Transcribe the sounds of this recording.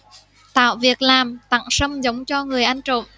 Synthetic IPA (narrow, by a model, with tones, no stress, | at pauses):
t̪a̰ː˧˨wvi˨˩ək̚laː˨˩mt̪a̰˧˨ŋsə˧mzə˨˦wŋ͡mt͡ɕɔ˧ŋɨ˨˩əjʔa˧jŋ̟t͡ɕo̰˧˨n